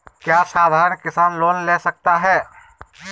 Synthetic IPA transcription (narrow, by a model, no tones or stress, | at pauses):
kjasad̪ʱaːɾənkɪsaːnloːnlesək̚t̪aɦɛ